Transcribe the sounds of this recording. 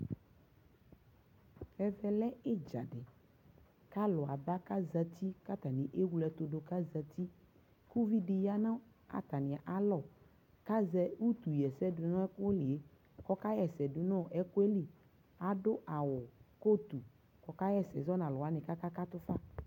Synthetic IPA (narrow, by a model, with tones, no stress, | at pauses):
ɛ˨vɛ˨lɛ˦e˦d͡ʒa̰˨ɖɪ˨ | ka˦lɔ˨a̰˨ba˦ka˦za˦t̪i˦ka˦t̪a˨nĩ˨ʔe˦wu˦lɛ˨t̪o˨ɖo˨ka˦za˨t̪ʰi˦ | ku˦vi˦ɖi˨ja˦nã˦ | a̰˨t̪a˨nɪ̃˨a˨ʔa˨lɔ˦˨ | ka˦zɛ˦wu˦t̪u˨jɛ˨sɛ˦dʊ˨nɔ̃˦ɛ˦ko˦li˨e˦ | kɔ˦ka˦jɛ˨sɛ˨dʊ˨nɔ̃˦ʔɛ˦ko˦e˦li˨ | a˨ɖo˦ʔa˨wɔ˨ko˦t̪u˨ | kɔ˨ka˦jɛ˦sɛ̰˨zɔ˦nã˨lɔ˨a˦nɪ̃˨ka˦ka˦ka˦t̪ʊ˦fa˦